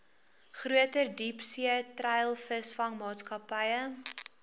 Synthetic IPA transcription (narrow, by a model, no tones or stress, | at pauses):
χruətərdipsiətrɛjlˠfəsfɐŋmɑːtskɐpəjə